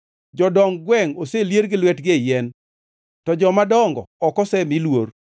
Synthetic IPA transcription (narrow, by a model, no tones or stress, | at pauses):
d͡ʒɔdɔŋɡwɛŋoseljeɾɡɪlwɛtɡejɛn | tɔd͡ʒɔmadɔŋɡɔ̰ːkɔsɛmilwor